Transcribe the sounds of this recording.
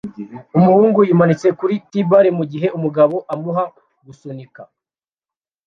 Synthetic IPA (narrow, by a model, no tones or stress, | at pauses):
umuhuːŋɡujimanit͡se̞kuɾitibaɾimuɟiɦe̞umuɡaβo̞ʔamuɦa | ɡusonika